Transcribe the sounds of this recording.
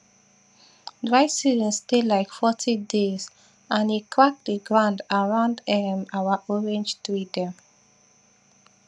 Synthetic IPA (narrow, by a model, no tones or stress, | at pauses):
dɹaɪsizə̃nstelaɪkfɔtʰidez | ãnikʰɹak̚dəɡɹãndaɹãʊ̃ndɛmawaʔɔɹɛ̃nd͡ʒtwidɛ̃m